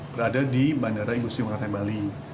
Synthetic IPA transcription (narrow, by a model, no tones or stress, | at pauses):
b̥əɾadadibandaɾaiŋbusiməɾat̪abali